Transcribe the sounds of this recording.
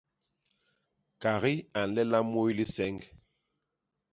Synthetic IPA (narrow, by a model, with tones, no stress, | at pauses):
ka˨ɣi˦a˨n̩˨lɛ˦la˦mo˦jli˦sɛ˨˦ŋɡ